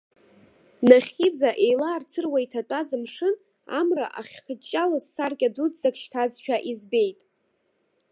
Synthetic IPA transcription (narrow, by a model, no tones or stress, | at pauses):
naχʲid͡zaʔe̞jlaːrt͡sʰɨrwaitʰatʼazɨmʂɨn | a̰mra̰ʔaχʲχət͡ʃʼːalasːarkʲʼadudzakʃtʰazʃᶣaʔizbe̞jtʼ